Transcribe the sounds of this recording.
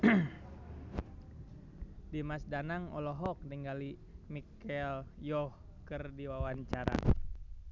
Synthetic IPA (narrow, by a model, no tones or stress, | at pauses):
dimasdanaŋɔ̰lɔɦɔk̚nɛŋɡali | mikɛljɔh | kərdiwawaɲt͡ʃaɾa̰